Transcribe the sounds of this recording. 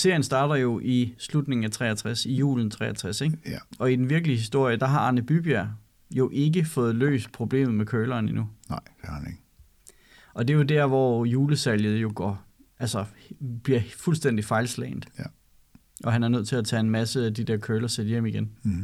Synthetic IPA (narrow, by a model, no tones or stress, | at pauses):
se̝ɐ̰jənsd̥ɑ̈ːd̥ɐjo̝ʔislud̥ne̝ŋ̩æt͡sʰʁɛ̰ːæt͡sʰʁasijṵːln̩t͡sʰʁɛ̰ːæt͡sʰʁaseɡ̥ɒ̽id̥enʋiɐɡ̥əliəɦisd̥o̝ɐ̰jəd̥ɑ̈ɦɑ̈ɑnəb̥yb̥iæɐ̰ | jo̝ʔe̝ɡəfɔ̽ːð̞̩ˠlø̰ːsd̥̚pʰʁo̝b̥le̝̰ːmð̩ˠmekʰøːlɐːninud̥hneɡ̥ | ʔɒ̽d̥e̝jo̝dæɐʋɒjuːləsæljð̞̩ˠjo̝ɡ̥ɒ̰ | ʔælsɒb̥liɐfulsd̥en̰d̥ifɑ̈ɪlslḛːnd̥̩ | ʔɒ̽ɦænæɐnøð̰ˠt͡sʰe̝læt͡sʰɛ̰ːe̝nmæsəæd̥id̥æɐkʰøːlɐsed̥jem̰iɡ̥en